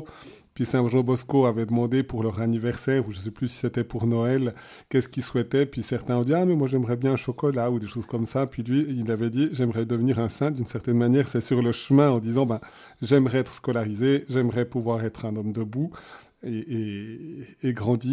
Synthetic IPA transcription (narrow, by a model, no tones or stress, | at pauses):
pɥisɛ̃ʒɑ̃bɔskoavɛd̪əmɑ̃d̪epuʁlœʁanivɛʁsɛːʁuʒəs̬ɛplysi̥sɛt̪ɛpuʁnɔɛl | kɛskilswɛt̪ɛpɥisɛʁt̪ɛ̃ɔ̃d̪iamɛmwaʒɛmʁɛbjɛ̃ɛ̃ʃɔkɔlaud̪eʃozkɔmsapɥilɥiːlavɛd̪iʒɛmʁɛd̪əvniːʁɛ̃sɛ̃d̪ynsɛʁt̪ɛnmanjɛːʁsɛsyʁləʃəmɛ̃ɑ̃d̪izɑ̃bɛ̃ | ʒɛmʁɛɛt̪χskɔlaʁizeʒɛmʁɛpuvwaʁɛt̪χɛ̃nɔmd̪əbu | eeː | ɡʁɑ̃d̪i